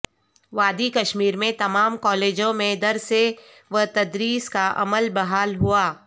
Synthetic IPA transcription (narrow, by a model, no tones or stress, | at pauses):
ʋaːd̪ikɐʃmiːɾmẽt̪ɐmaːmkɔːleːd͡ʒõmẽd̪ɐɾse | ʋɐt̪ɐd̪ɾiːskaʔɐ̰məlbɐɦaːlɦuaː